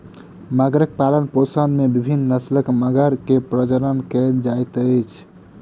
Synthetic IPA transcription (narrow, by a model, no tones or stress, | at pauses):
maɡɾək̚palənposənmebibʱinːəsləkməɡəɾkepɾəd͡ʒəɾənkɛld͡ʒajt̪əjt͡ʃʰ